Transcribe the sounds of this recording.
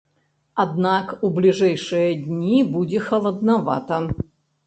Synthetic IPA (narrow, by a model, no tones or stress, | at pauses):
ɐd̪nakublʲɪʐajʂɨjəd̪ʲnʲibudʲɪxɐlˠɐd̪nɐva̰t̪ɐ